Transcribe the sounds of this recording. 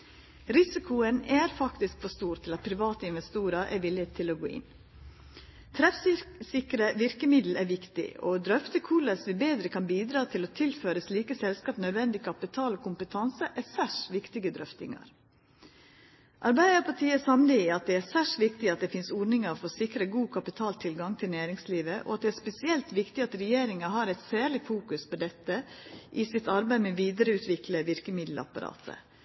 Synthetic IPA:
ɾɪsɪkʰʊənæɾfɑkt̪ɪskfɔʂst̪uːɾt̪ʰɪlɑt̪̚pʰɾɪʋɑːt̪əɪnʋɛst̪uːɾəɾʔæ̰ɾʋɪlɪt̪ʰɪloːɡoːʔɪ̰n | t̪ʰɾɛfssɪkɾəʋɪɾkəmɪd̪l̩æʋɪkt̪ɪ̰o̰d̪ɾœft̪əkʰuːləsʋɪbeːd̪ɾəkʰɑnbiːd̪ɾɑːt̪ʰɪlɔt̪ʰɪlføːɾəsliːkəsɛlskɑːpnœd̪ʋɛnd̪ɪkʰɑpɪt̪ʰɑːlkʊmpət̪ʰɑnsəʔæsæʂʋɪkt̪ɪɡəd̪ɾœft̪ɪ̰ŋɑ̰ɾ | ʔɑɾbæɪd̪əpʰɑʈʰiːəsɑmliɑt̪̚d̪ɛæːsæːʂʋɪkt̪ɪɑt̪̚d̪ɛfɪnsɔɖnɪŋəɾofoːsɪkɾəɡuːkʰɑpɪt̪ʰɑːlt̪ʰɪlɡɑŋt̪ʰɪlnæːɾɪŋsliːʋəʔɔ̰ɑt̪̚d̪ɛæːspɛsɪɛlt̪ʋɪkt̪ɪɑt̪ɾɛjeːɾɪŋɑɦɑːɾɛɪt̪sæːɭɪfuːkʉspʰɔd̪ɛt̪ːəʔɪsɪt̪ɑɾbæɪmɛoʋiːd̪əɾəʉːt̪ʋɪkləʋɪɾkəmɪd̪lɑ̰pɑɾɑ̰ːt̪ʰə̰

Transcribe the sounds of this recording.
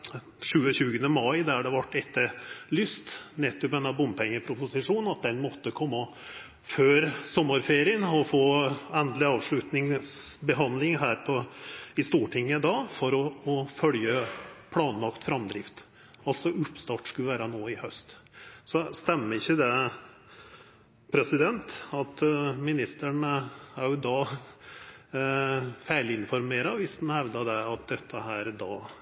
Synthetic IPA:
ʂʉːəɕʉːɡənəmɑɪd̪æɖɛʋɑʈːɛt̪ːəɾlʏst̪nɛt̪ːɔpɛnːɑbʊmpʰɛŋːəpʰɾʊpʊsɪʂuːn̩ɑt̪̚d̪ɛnmɔt̪ːəkʰɔmːɑ | føːɾsɔmːɑɾfeːɾɪənɔfoːɛnd̪lɪɑːʋʂɭʉt̪nɪŋsbəɦɑnd̪lɪŋɦæːɾpʰɔɪst̪uːʈʰɪŋːəd̪ɑːfɔɾɔːfœljəpʰlɑːnlɑkt̪fɾɑmd̪ɾɪft̪ | ɑlt̪sɔʔʉpːst̪ɑːʈskʉlʋæːɾɑnoːɪhœst̪sɔst̪ɛmːəɾɪçːəd̪ɛ | pʰɾɛsɪd̪ɛnt̪ɑt̪mɪnɪst̪əɳəæɾjʊd̪ɑː | fæɪlɪnfɔɾmeːɾɑʋɪsd̪n̩hɛʋd̪ɑd̪ɛɑt̪̚d̪ɛt̪ʰːəhæːɾd̪ɑː

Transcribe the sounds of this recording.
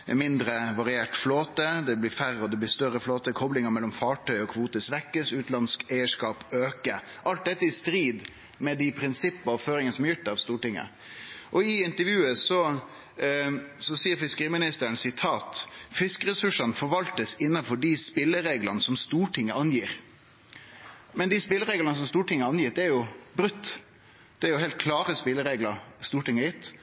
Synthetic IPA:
mɪnd̪ɾəʋɑɾɪeːʈfloːt̪əd̪ɛblɪɾfæɾəɔd̪ɛblɪst̪œɾəfloːt̪əkʰɔblɪŋəmɛlːɔmfɑːʈʰœʏɔkʰʋuːt̪əsʋɛkːəsʉːt̪lɑnskæɪəʂkɑːpøːkə | ʔɑlt̪̚d̪ɛt̪ːəɪst̪ɾiːd̪ | mɛd̪ɪpʰɾɪnsɪpːəɑʋføːɾɪŋənəsɔmjɪʈ̪ːɑʋst̪uːʈɪŋːə̰ | ʔɔɪɪnt̪əɾʋjʉːəsɔ | sɔsiːəɾfɪskəɾiːmɪnɪst̪əɾəɳ̩sɪt̪ʰɑːt̪fɪskəɾɛsʉʂɑnəfɔɾʋɑlt̪əsɪnːɑfɔɖispɪlːəɾeːɡlɑnəsɔmst̪uːʈʰɪŋːəɑnjiːɾ | mɛnd̪ɪspɪlːəɾeːɡlɑnəs̬ɔmst̪uːʈɪŋːəɑnjɪːt̪̚d̪ɛæɾjʊbɾʉt̪ː | d̪̥ɛæɾjʊhɦɛɪlt̪̚kʰlɑːɾəspɪlːəɾeɡləɾst̪uːʈɪŋːəjɪt̪ː

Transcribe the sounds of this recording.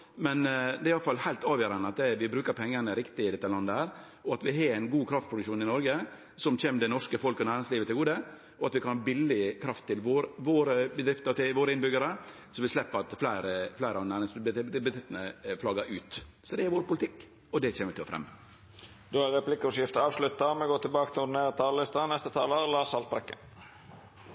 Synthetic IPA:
mɛnd̪ɛːɪɑlːəfɑlːhæɪt̪ɑːʋjøːɾɑnəɑt̪̚d̪ɛʋɪbɾʉːkəɾpʰɛŋːənəɾɪkt̪ɪɪd̪ɛt̪ːəlɑnd̪əhæːɾ | ɔɑt̪ʋɪɦɑːɾæɪnɡuːkʰɾɑft̪̚pɾʊd̪ʉʃuːnɪnɔɾɡə | sɔmçeːməd̪ɛnɔʂkəfɔlkɔnæːɾɪŋsliːʋət̪ɪlɡuːd̪ə | ɔɑt̪ʋɪkʰɑnhɑbɪlːɪkʰɾɑft̪ʰːɪlʋoːɾʋoːɾəbəd̪ɾɪft̪əɾt̪ɪʋoːɾəɪnbʏɡəɾə | sɔmʋɪslɛpːəɾɑt̪flæɪɾəflæɪɾəɑnæːɾɪŋsbət̪ɪt̪ːnəflɑːɡəɾʔʉːt̪ | sɔd̪ɛæɾʋoːɾpʊlɪt̪ʰɪkː | ɔd̪ɛçeːmət̪ʰɪlɔ̰fɾɛ̰mːə | d̪oæɾʁɛpʰlɪkːəɔsjɪft̪əɑːʋslʉt̪ːɑmɛɡoːt̪ʰɪlbɑːkət̪ʰɪʊd̪ɪneːɾət̪ʰɑːllɪst̪ɑnɛst̪ət̪ʰɑːləlɑːsɑlt̪̚bɾɛkːə̰n

